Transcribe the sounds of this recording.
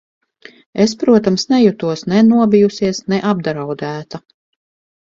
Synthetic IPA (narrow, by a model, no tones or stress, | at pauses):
espɾuɔt̪amsnɛjut̪uɔsnɛnuɔbijusiɛsnɛʔab̚d̪ɾawd̪æːt̪a